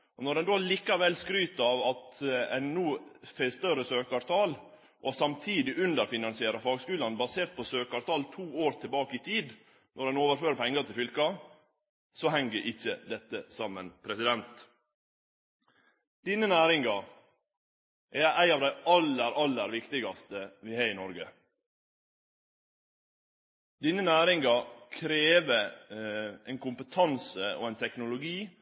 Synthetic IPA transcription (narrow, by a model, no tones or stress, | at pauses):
ʔɔnɔɾɛnd̪oːliːkɑʋɛlskɾyːt̪ɑʋɑt̪ɛnːuːfɛst̪œɾəsøːkɑɾt̪ʰɑːl | ʔɔsɑmt̪ʰiːd̪ɪʔʉnd̪əɾfɪnɑnsɪeːɾɑfɑːɡskʉːlɑnbɑseːɾt̪̚pʰɔsøːkɑɾt̪ʰɑːlt̪ʰuːoːɾt̪ʰɪlbɑːkəɪt̪ʰiːd̪ | nʔɔdɛnoːʋəɾføːɾəpʰɛŋːɑt̪ɪlfʏlkɑ | sɔhɛŋəɾʔɪçːəd̪ɛt̪ːəsɑmːənpʰɾɛsɪd̪ɛnt̪ | d̪̥iːnənæːɾɪŋɑ | ʔææɪɑːʋd̪æɪʔɑlːəɾɑlːəɾʋɪkt̪ɪɡɑst̪əʋɪhɑːɪnɔɾɡə | d̪iːnənæːɾɪŋɑkʰɾeːʋə | ʔɪnkʰʊmpət̪ʰɑnsəo̰ɛɪnt̪ʰɛknʊlʊɡiː